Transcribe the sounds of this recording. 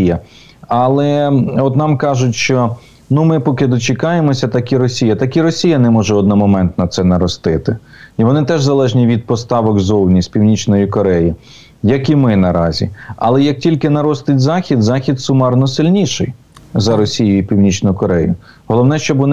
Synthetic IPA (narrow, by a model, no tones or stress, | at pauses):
jɐ | ɐlˠɛɔt̪nɑmkɑʒʊtʲʃt͡ʃɔ | numɪpɔkɪd̪ɔt͡ʃɪkɑjemɔsʲɐt̪ɐkiɾɔsʲijɐt̪ɐkiɾɔsʲijɐnɛmɔʒɛɔd̪nɔmɔmɛnt̪nɐt̪sɛnɐɾɔst̪ɪt̪ɪ | iʋɔnɪt̪ɛʒzɐlˠɛʒnʲiʋʲid̪̚pɔst̪ɑʋɔkzɔwnʲisʲpʲiwnʲit͡ʃnɔjikɔɾɛji | jɐkimɪnɐɾɑzʲḭɐ̰lˠɛjɐk̚tʲilʲkɪnɐɾɔst̪ɪtʲzɑxʲid̪zɑxʲid̪sʊmɑrnɔsɪlʲnʲiʃɪ̰j | zɐɾɔsʲijʊipʲiwnʲit͡ʃnʊkɔɾɛjʊ̰ | ɦɔlˠɔwnɛʃt͡ʃɔbʋɔn